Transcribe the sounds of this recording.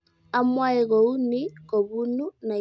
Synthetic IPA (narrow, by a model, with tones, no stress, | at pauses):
a˦mwa˦e˨ɣɔ˨u˦ni˦ko˨βu˦nu˦na˨